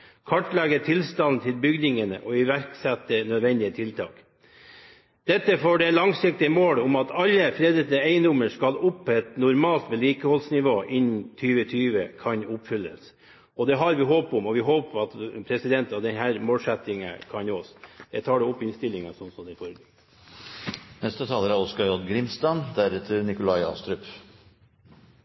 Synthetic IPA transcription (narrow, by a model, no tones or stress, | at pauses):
kʰɑʈlɛɡət̪ʰɪlst̪ɑnn̩t̪ʰɪlbʏɡd̪ɪŋənə̰ʔɔɪʋæɾksɛt̪̚ːd̪ənœd̪ʋɛnd̪ɪət̪ʰɪlt̪ʰɑ̰ːk | d̪̥ɛt̪ːəfoːɖɛlɑŋsɪk̚t̪ɪəmoːlʊmɑt̪ʰɑlːəfɾeːd̪ɾəd̪əeɪənd̪ʊməʂkɑlʊpːʰɛt̪nʊɾmɑːlt̪ʋɛliːkəhɔlsnɪʋoːʔɪnnt̪ʰyːʋət̪ʰyːʋəkʰɑnʊpfʏlːə̰s | ɔd̪ɛɦɑɾʋɪɦoːpʊmɔʋɪɦoːppʰɑt̪pʰɾɛsɪd̪ɛnt̪ɑʋd̪ɛnɦæːɾmoːlsɛt̪ɪŋə̰kʰɑnɔsd̪ɛt̪ʰɑːɖɛʊpːɪnst̪ɪlːɪŋɑsɔnsɔmd̪ɛfɔɾɡ | nɛst̪ət̪ʰɑːləɾɑʋɔskɑɔd̪ɡɾɪmst̪ɑnd̪æɾɛt̪ʰːəɾnɪkʊlɑɪɑ̰ːst̪ɾʏp